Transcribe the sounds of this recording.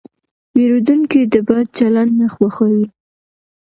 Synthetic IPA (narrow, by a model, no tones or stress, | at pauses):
weɾod̪uŋkid̪əbɑd̪̚t͡ʃaland̪naxwaxawi